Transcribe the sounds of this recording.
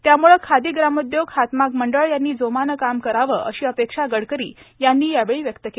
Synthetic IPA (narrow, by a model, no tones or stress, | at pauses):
t̪jamuɭəkʰad̪iːɡɾamud̪joɡhat̪makməɳɖəɭjanːiːd͡zomanəkamkəɾaʋəːʔəɕiːəpekʂaɡəɽkəɾḭːjanːiːjaʋeɭiːʋjəkt̪əke